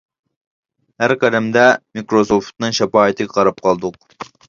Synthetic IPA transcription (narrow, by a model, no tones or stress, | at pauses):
hæɾqɛd̪ɛmd̪ɛmikɾosoft̪̚nɨŋʃɛpɑːit̪ʰɪɛqʰɑɾɑp̚qʰɑlˠd̪ʊq̚